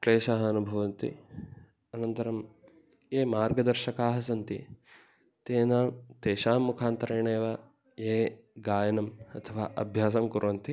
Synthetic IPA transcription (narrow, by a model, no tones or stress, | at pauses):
kleːʃaːɦɐɐnubʱɐʋɐnt̪ḭ | ɐnɐnt̪ɐɾɐm | eːmaːɾɡɐd̪ɐɾʃɐkaːɦɐsɐnt̪ḭ | t̪eːnaːmt̪eːʃaːmːukʰaːnt̪ɐɾeːɳeːʋɐ | eː | ɡaːjɐnɐmɐt̪ʰɐʋaːʔɐ̰bʱjaːsɐmkuɾʋɐnt̪i